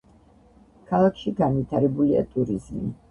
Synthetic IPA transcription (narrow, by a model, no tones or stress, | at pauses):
kʰalˠakʰʃiɡanvit̪ʰaɾɛbulia̰t̪ʼuɾizmḭ